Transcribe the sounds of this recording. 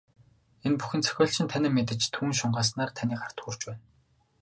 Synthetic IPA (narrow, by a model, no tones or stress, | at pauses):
enpuxɘ̆nt͡sʰœ̥xʲɔːɬt͡ɕɪ̆nt̪ʰænɪːmet̪̬ɘ̆t͡ɕt̪ʰuːnʃʊɴɢaːs̬naːrt̪ʰaniːkχar̥t̪uːr̥t͡ɕpæːn